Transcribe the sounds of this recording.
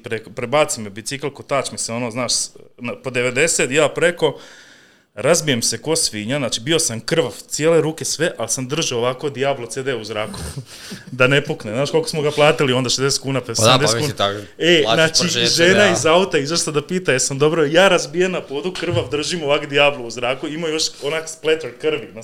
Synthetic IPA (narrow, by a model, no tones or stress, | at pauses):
pɾekpɾebaːt̪simebit̪siklˠko̞t̪aːt͡ʃmiseo̞noːznaːʃnapod̪eʋe̞d̪e̞set̪jaːpɾe̞ko̞ | ɾazbijemse̞ko̞sʋiɲanaːt͡ʃibio̞samkr̩ʋaʋt̪sjeːle̞ɾuːkesʋe̞ʔalsamd̪r̩ʒioʋako̞d̪iablˠot̪sed̪euzɾaːko | d̪ane̞pukneznaːʃko̞lˠkosmoɡaplˠaːt̪ilio̞nd̪aʃezd̪eset̪̚kuːnapaʃesd̪eetkkuːnenaat͡ʃiʒeːnaizaut̪aizoʃt̪ad̪apiːt̪ajesamd̪o̞bɾojaːɾazbijemnapod̪ukr̩ʋaʋd̪r̩ʒimoʋakd̪ijaːblouzɾaːkuimajo̞ʃonaksplet̪eɾkr̩ʋina